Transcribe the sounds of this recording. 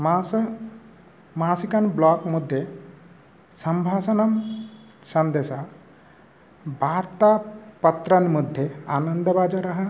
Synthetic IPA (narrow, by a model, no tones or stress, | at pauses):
ma | maːsikɐnblɔːkmud̪ʱːje | sɐmbʱaːsɐnɐm | sɐnd̪eːsa | bʱaːɾt̪apɐt̪ɾɐnmud̪ʱːjeaːnənd̪ɐbaːd͡ʒɐɾɐɦɐ